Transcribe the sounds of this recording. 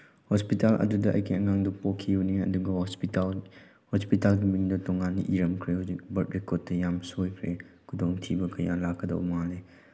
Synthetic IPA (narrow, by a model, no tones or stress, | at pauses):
hospitalʔɐ̰dudɐʔɐ̰jkʰiɐŋaŋdɐpokʰːiuniɐ̰duɡɐh | hospitalɡimiŋdɐtɔŋaniʔiɾɐmkʰɾehud͡ʒik̚bɐɾtɾekɔd̚tːɐjamsojkʰɾe | kʰudoŋtʰibɐkɐja̰lakʰːɐdɐ̰wmale